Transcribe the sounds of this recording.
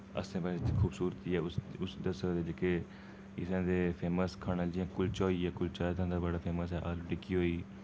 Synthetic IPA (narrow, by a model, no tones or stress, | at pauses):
ə̰sẽːpəkʰuːbsuːɾt̪iːɛːʊsʊsd̪əsəd̪eːd͡ʒeke | ɪsãːd̪eːpʰeːməskʰaːnəd͡ʒɪjãːkʊlt͡ʃoːiːɛːkʊlt͡ʃaːt̪ʰãːd̪aːbəɽaːpʰeːməsɛːʔaːluːʈɪkiːɦoːiː